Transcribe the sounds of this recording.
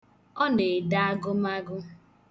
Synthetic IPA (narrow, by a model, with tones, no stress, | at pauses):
ɔ˦ne˨da˦a˦ɡʊ˦ma˦ɡʊ˦